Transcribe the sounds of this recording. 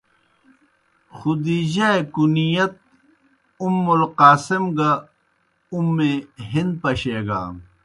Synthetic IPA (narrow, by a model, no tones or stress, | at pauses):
xud̪iːʑaekunijɐt̪̚ | umːulqaːsimɡɐ | umːeɦind̪̚pɐɕeːɡa̰ː